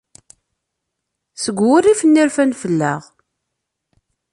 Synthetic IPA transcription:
səɡʷʊrifənːiɾfænfəlːæ̰ʁ

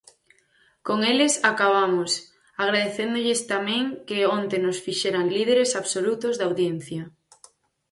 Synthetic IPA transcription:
koŋelɪsakaβ̞amos | aɣ̞ɾaðeθend̪oʎɪst̪amẽŋkeont̪enosfiʃeɾaŋlið̞eɾesaβsolut̪ozðawðjen̟θja

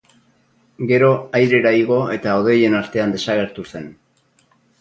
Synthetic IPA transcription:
ɡe̞ɾo̞ajɾe̞ɾaiɣo̞e̞t̪ao̞ð̞e̞je̞naɾt̪e̞and̪e̞saɣe̞ɾt̪use̞n

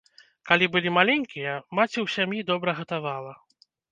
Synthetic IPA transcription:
kalʲibɨlʲimalʲɛŋʲkʲijɐmat͡sʲiwsʲamjid̪ɔbɾɐɣɐt̪avalˠɐ

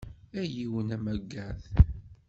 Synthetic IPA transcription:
æjiwənæmæɡːæθ

